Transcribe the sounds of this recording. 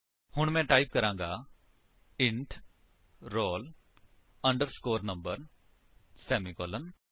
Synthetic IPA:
hʊɳ̃mɛ̃ːʈaːip̚kəɾãːŋɡaː | ɪ̃ɳʈ | ɾoːl | əɳɖəɾskoːɾnə̃mbəɾ | sɛːmikɔlən

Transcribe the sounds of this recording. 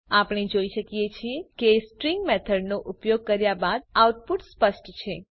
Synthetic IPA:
apɽ̃id͡ʒoiʃəkijet͡ʃʰiekesʈɾiŋɡmɛt̪ʰəɖnoʔupjoɡ̚kəɾjabad̪̚awʈpuʈspəʃʈt͡ʃʰe

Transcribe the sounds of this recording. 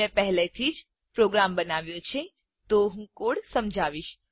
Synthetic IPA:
ẽpɛɦlet̪ʰid͡ʒ | pɾoɡɾambənaʋjõt͡ʃʰe | t̪oɦũkoɽsəmd͡ʒʱaʋiʃ

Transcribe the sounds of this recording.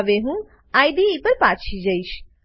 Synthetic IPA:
ʋeɦũ | aːjd̪iːpəɾpaːt͡ʃʰid͡ʒəiʃ

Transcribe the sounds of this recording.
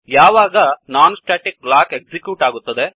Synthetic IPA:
jaːʋaːɡɐnaːnsʈaːʈik̚blaːkeksikjuːʈaːɡut̪ːɐd̪e

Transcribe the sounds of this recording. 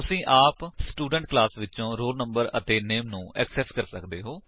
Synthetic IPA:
ʊsĩːʔaːpsʈuːɖə̃ɳʈ̚klaːsʋɪtːʃõːɾoːɖnə̃mbəɾə̰t̪eːneːmnũːɛksɛːskəɾsəkd̪eːɦoː

